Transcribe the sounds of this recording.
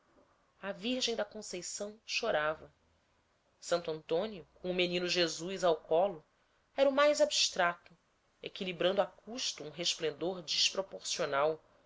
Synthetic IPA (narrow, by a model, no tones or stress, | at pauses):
ɐviɾʒẽj̃d̪ɐkõsejsɐ̃w̃ʃoɾavɐ | sɐ̃nt̪uɐ̃nt̪õniʊkõʊmenĩnuʒezujzawkɔlʊ | ɛɾɐumajzabiʃt̪ɾat̪ʊ | ekilibɾɐ̃nd̪akʰuʃt̪uũɦeʃplẽnd̪oɾd͡ʒiʃpɾopoɾsionaw